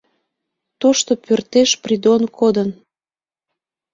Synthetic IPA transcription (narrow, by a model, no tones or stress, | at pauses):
t̪oʃt̪opørt̪eʃprid̪onkʰod̪ən